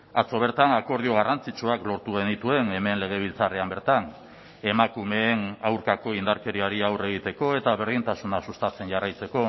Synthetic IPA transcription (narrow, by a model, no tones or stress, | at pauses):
at͡so̞β̞e̞ɾt̪anako̞ɾð̞io̞ɣ̞arant͡sit͡ʃuaklo̞ɾt̪uɣe̞nit̪ue̞ne̞me̞nle̞ɣ̞e̞β̞ilt͡sare̞ambe̞ɾt̪an | e̞makumeːnawɾkako̞ind̪aɾke̞ɾiaɾiawre̞ɣ̞it̪e̞ko̞e̞t̪aβ̞e̞ɾð̞int̪asunasust̪at͡se̞nʝarajt͡se̞ko̞